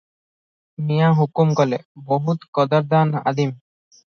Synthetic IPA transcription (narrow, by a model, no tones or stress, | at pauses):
mijaɦukumkɔleboɦut̪kɔd̪ɔɾd̪ana̰d̪im